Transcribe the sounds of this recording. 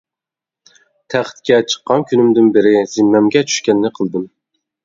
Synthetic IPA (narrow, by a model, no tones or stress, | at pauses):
t̪ʰæχt̪kʲɛt͡ʃʰə̥qːɑnkʰʲynymd̪ɪnbɪɾɪz̥ɪnːɛmɡʲɛt͡ʃʰy̥ʃkʲɛnːɪqʰəlˠd̪ɨm